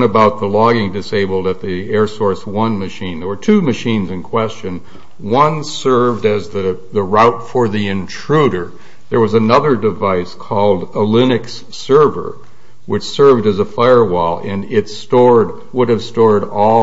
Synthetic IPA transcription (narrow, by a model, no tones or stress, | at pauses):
nəbaʊt̪̚ðəlɔɡɪ̃ŋdɨseɪbl̩ˠdɨt̪̚ðiɛɹsɔɹswʌ̃nmɨʃĩnðə˞wə˞tʰʉmɨʃĩnzɨ̃nkʰw̥ɛst͡ʃɨ̃n | wʌ̃nsɜ˞vdɨzðɨðəɹaʊtfə˞ðiɨ̃ntʰɹ̥uɾə˞ | ðə˞wʌzənʌðə˞dɨvaɪskʰɔlˠdəlɪ̃nɨks | ɜ˞və̰˞ | wɨt͡ʃsɜ˞vdɨzəfaɪə˞wɔlˠɨ̃nɪtstɔɹd | wʊɾɨv̥stɔɹɾɔ